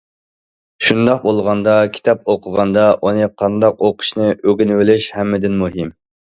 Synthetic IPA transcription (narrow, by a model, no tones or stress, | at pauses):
ʃund̪ɑq̚bolˠʁɑnd̪ɑkʲʰi̥t̪ʰɑp̚oqʰəʁɑnd̪ɑʔunɨqʰɑnd̪ɑqoqʰʊ̥ʃnɨʔøɡʲinwɪlɪʃhɛmːɪd̪ɪnmuɦim